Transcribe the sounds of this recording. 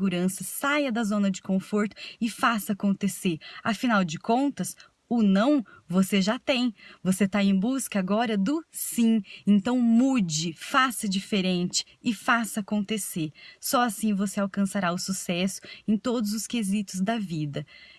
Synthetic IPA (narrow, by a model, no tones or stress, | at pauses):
ɡuɾɐ̃sɐsajɐd̪ɐzõnɐd͡ʒɪ̥kõfoɾt̪ʊ̥ɪfasɐakõnt̪eseɾɐfinawd͡ʒɪkõnt̪ɐs | ʊnɐ̃w̃voseʒat̪ẽj̃voset̪aẽj̃buskɐaːɡɔɾɐd̪ʊsĩẽnt̪ɐ̃w̃mud͡ʒɪfasɐd͡ʒifeɾẽnt͡ʃɪ̥ːfasɐakõnt̪esesɔasĩvoseawkɐ̃saɾaʊsusɛsʊ̥ẽj̃t̪od̪ʊzʊskezit̪ʊzd̪ɐvid̪ɐ